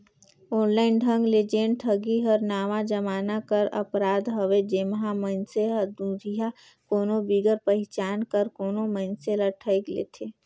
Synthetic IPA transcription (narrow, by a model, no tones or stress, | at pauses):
ɔːnlaːɪnɖʱə̃ŋɡled͡ʒeːnʈʰəɡiɦəɾnaːʋad͡ʒəmaːnakəɾə̰pɾaːd̪ɦəʋed͡ʒemɦamənseɦəd̪ũːɾija | koːnobiːɡəɾpəɦɪt͡ʃaːnkəɾkoːnomənseləʈʰəɪklḛːt̪ʰe